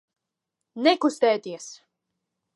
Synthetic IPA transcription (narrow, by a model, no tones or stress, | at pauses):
nɛkust̪ɛːt̪iɛs